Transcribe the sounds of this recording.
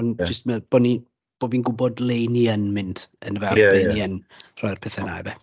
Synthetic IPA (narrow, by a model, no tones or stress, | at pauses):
ɔnd͡ʒɪstməb̥ɔni | b̥oːbinɡʊbɔdlˠejniənmɪndənvɛeniən | r̥ɔjrpʰɛθɛna̰jbɛ